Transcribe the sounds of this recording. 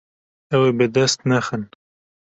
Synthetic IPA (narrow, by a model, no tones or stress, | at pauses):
awebed̪ast̪naxən